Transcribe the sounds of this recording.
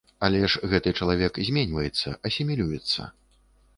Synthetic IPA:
alʲɛʂɣɛt̪ɨt͡ʂɐlˠavʲɛkzʲmʲɛnʲvɐjɛt̪sːɐ̰ʔɐsʲimʲilʲujɛt̪sːɐ̰

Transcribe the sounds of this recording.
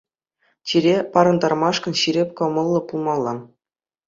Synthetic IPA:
t͡ɕʲiɾʲepɑɾɤ̆nd̪ɑrmɑʂkɤ̆nɕiɾʲepʲkɤ̆mɤ̆lˠːɤ̆pulˠmɑlˠːɑ

